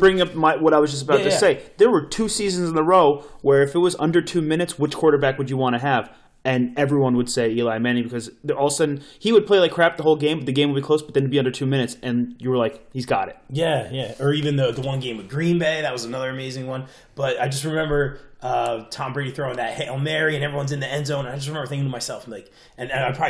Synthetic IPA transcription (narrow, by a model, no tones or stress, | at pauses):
b̥ɹɪ̃ŋɪ̃ŋʌpmaɪwʌɾaɪwʌzd͡ʒʌstəbaʊtɨseɪðə˞wə˞tʰʉsizɨ̃n̩z̃n̩ðəɹoʊwə˞ɨfɨt̚wʌzʌ̰̃ndə˞tʰʉmɪ̃ñɨtswɨt͡ʃkʰwɔɹɾə˞bækwɨd͡ʒɨwɑ̃ɾ̃ɨəv | ɨ̃nɛvɹiwʌ̃nwəd̥seɪilaɪmæ̃ñibɨkʰʌzðəɔlˠsɨ̃n̩hiwəd̚pʰl̥eɪlaɪkʰɹ̥æp̚ðəɦoʊlˠɡẽɪ̃mbʌt̪̚ɨɡẽɪ̃mwəbikʰoʊsb̥ʌt̪̚ðɨ̃nwɨd̚biʌ̃ndə˞tʰʉmɪ̃ñɨtsɨ̃njəwə˞laɪkhizɡɑɾɨɪt̚jæjæə˞ivɨ̃nðɨðəwʌ̃nɡẽɪ̃mwɨd̚ɡɹĩnbeɪðɨt̚wʌzənʌðə˞ɨmeɪzɪ̃ŋwʌ̃n | b̥ʌɾaɪd͡ʒʌst̚ɹɨmɛ̃mbə˞ʔʌtʰɑ̃mbɹeɪɾiθɹõʊɪ̃ŋðɨt̚hɛl̩ˠmɛɹiɨ̃nɛvɹiwʌ̃nzɨ̃nðiɛ̃nzõʊ̃ñnaɪd͡ʒʌst̚ɹɨmɛ̃mə˞θɪ̃kɪ̃ŋtʰɨmaɪsɛlˠfn̩laɪk | ɨ̃nɨaɪpʰɹɑ